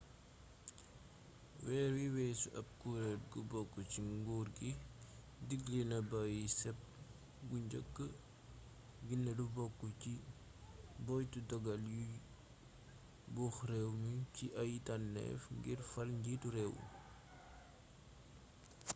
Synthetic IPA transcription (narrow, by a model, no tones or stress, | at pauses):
wɛːɾwiwɛːsuʔɐb̚kuːɾɛt̚ɡubɔkːut͡ʃiŋɡuːrɡi | diɡlinɐbajisɛp̚ | ɡuɲɟəkːə | ɡinːəlubɔkːuci | bɔjtudɔɡɐlju | buːxrɛwmiciʔɐjitanːɛ̰fŋɡirfɐlɲɟituɾɛw̰